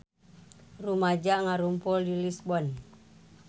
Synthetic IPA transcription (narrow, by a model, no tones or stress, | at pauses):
rumad͡ʒaŋaɾumpɔldilisbɔn